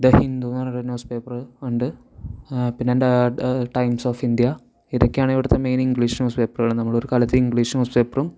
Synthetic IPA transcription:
d̪ɐhind̪unaːrɾnːoːspeːpːɐrɨuɳɖɨ | pinːeːndeʈɐjmsoːfind̪jɐ | iɾɐkʲːaːɳiʋiɽɐt̪ːemejniŋɡɭiːʂnoːspeːpːɐrɨɣɐɭɨnɐmːɐɭo̞ɾukaːlɐt̪ːeiŋɡɭiːʂnospeːpːɐrum

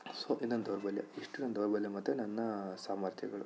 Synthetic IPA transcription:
soʔinond̪oɾɐbɐlːḛiʂʈinɐnd̪oɾɐbɐljemɐt̪ːenɐnːɐsaːmɐɾt̪ʰjɐɡɐɭṵ

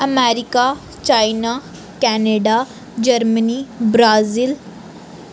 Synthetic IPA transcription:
əmɛːɾɪkaː | t͡ʃaːinaː | kɛːneɖaː | d͡ʒəɾməniːbɾaːziːl

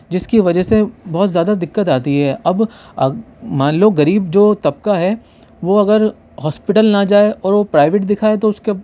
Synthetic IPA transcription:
d͡ʒɪskiʋɐd͡ʒəsebɔɦːʊt̪zjaːd̪ad̪ɪkːət̪aːt̪iɦɛːʔɐb | ɐ | mãːnloːɡɐɾiːbd͡ʒoːt̪ɐb̚kaɦɛ | ʋoɐɡəɾ | ɦɔːspɪʈəlnɐd͡ʒaːeʔɔːɾʋopɾaːɪʋeːʈd̪ɪkʰaːet̪oʊske

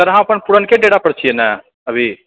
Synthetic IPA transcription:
ɐɾɦãɐpəɳpuɽənkeɖeɽapəɽt͡ʃʰienɛ | əbʱi

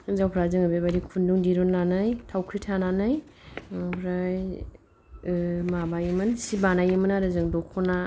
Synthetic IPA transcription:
zawpʰɾazɯŋabebaɾikʰunduŋdiɾɔnːanɯjtʰawkʰɾitʰananɯj | pʰɾaj | mabajɯmɯnsibanajɯmanaɾɯzɯŋdɔkʰɔna

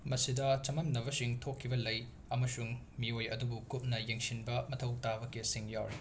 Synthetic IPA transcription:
mɐsidɐt͡ʃɐmɐmnɐβɐsiŋtʰokʰːibɐlɐj | ɐmɐsuŋ | miojɐ̰dubukup̚nɐjeŋsinbɐmɐtʰɐwtabɐkisiŋjawɾi

